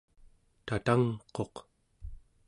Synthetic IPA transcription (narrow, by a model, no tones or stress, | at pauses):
t̪at̪aŋqo̞q